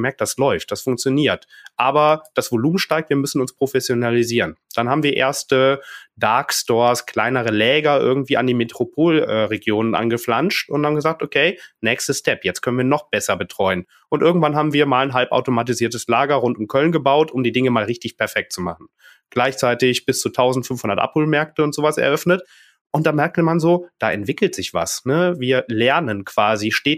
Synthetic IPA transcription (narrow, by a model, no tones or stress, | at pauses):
mɛɐk̚td̥aslɔʏft̚d̥asfʊŋkt͡sjoniːɐt | ʔaːbɐd̥asv̥oluːmənʃtaɪk̚tv̥iːɐmʏsn̩ʊnspʁ̥ofɛsjonaliziːʁənd̥anɦaːbm̩viːɐʔḛːɐstəd̥aɐkstɔːɐskʰl̥aɪnəʁ̞əlɛːɡɐʔɪ̰ɐɡŋ̩tv̥iːandiːmetʁ̥opʰoːlɛːʁeɡjoːnənʔa̰nɡəflanʃtʊnthaːmɡəzaːk̚tokʰeɪnɛːçstəstɛpjɛt͡stkʰœnənviːɐnɔχb̥ɛsɐbətʁ̥ɔʏən | ʔʊntʔɪɐɡŋ̩tvanɦaːbm̩viːɐmaːlnɦalpʔa̰ʊtomat̬iziːɐtəslaːɡɐʁʊntʊmkʰœlənɡəbaʊtʰʔʊmdiːdɪŋəmaːlʁɪçtɪçpʰɛɐfɛk̚tt͡sumaχn̩ | ɡ̥laɪçt͡saɪtɪçb̥ɪst͡suːtʰaʊzn̩tfʏnfhʊndɐtʔa̰phoːlmɛɐktəʊntz̥oːvasɛ̰ɐʔœfnət | ʔʊnt̚d̥aːmɛɐk̚təmanzoːd̥aːʔɛ̰ntv̥ɪkl̩tz̥ɪçv̥a̰snəviːɐlɛɐnənkv̥aːziʃteːt